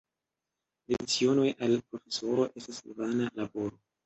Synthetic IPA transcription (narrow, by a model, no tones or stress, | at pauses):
dedit͡sio̞no̞jalpɾo̞fe̞so̞ɾo̞ʔe̞stasvanalabo̞ɾo̞